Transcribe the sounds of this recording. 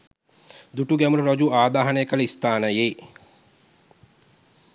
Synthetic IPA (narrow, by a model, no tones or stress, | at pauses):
d̪uʈuɡæmuɾəɾod͡ʒuaːd̪aːɦanəjəkələist̪aːnəje